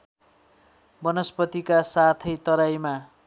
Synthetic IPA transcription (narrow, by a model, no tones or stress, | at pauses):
bʌnʌspʌt̪ikasat̪ʰʌjt̪ʌɾajma